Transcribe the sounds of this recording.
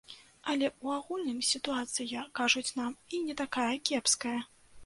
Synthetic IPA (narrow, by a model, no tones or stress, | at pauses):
ɐlʲɛuaɣulʲnɨmsʲit̪uat̪sɨjɐkaʐut͡sʲnaminʲɛt̪akajɐkʲɛpskɐjɐ